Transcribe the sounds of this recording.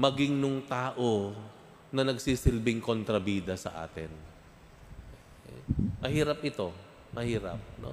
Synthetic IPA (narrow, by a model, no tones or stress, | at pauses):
mɐɡɪŋnʊŋt̪aːʔo | nɐnɐɡsiːsɪlbɪŋkont̪ɾɐbiːd̪ɐsɐ̰ʔa̰ːt̪ɪ̰n | mɐhiːɾɐp̚ʔɪt̪o̞ | mɐhiːɾɐ̰p̚no̰